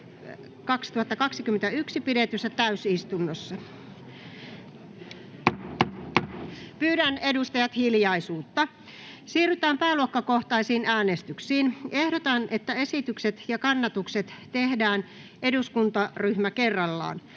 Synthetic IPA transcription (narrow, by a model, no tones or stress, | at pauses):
kɑkst̪uhɑt̪ːɑkɑksikymːent̪æyksipidet̪ysːæt̪æysist̪unːosːɑ | pyːɾænedust̪ɑjɑt̪hiljɑisuːt̪ːɑ | siːryt̪æːmpæːluokːɑkoht̪ɑisiːnæːnest̪yksiːnehdot̪ɑnʔet̪ːæesit̪ykset̪jɑkɑnːɑt̪ukset̪t̪ehdæːn | ʔeduskunt̪ɑryhmækerːɑlːɑ̰ːn